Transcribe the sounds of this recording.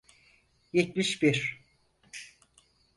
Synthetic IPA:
jɛt̪̚miʃbiɾ

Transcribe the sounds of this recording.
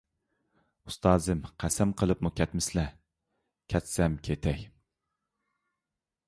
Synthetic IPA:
u̥st̪ɑːzɨmqʰæsɛmqʰəlˠɨpmukʲʰɛt̪mɪslɛ | kʲʰɛt̪sɛmkʲʰet̪ʰɛj

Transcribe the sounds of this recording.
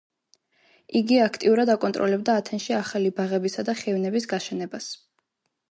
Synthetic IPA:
iɡiakʰt̪ʼiuɾad̪akʼɔnt̪ʼɾʔɔlɛbd̪aːt̪ʰɛnʃiaχalibaʁɛbisad̪aχɛvnɛbisɡaʃɛnɛbas

